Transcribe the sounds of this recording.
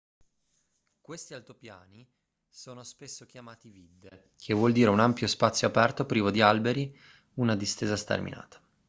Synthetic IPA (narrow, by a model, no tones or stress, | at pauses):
kwest̪ialt̪opjaːni | soːnospesːok̟jamaːt̪ivid̪ːe | kʰevːwɔld̪iːɾeunampjospat̪sːjoapɛrt̪opɾiːvod̪ialbeɾi | unad̪ist̪eːzast̪ḛrmḭna̰ːt̪ḁ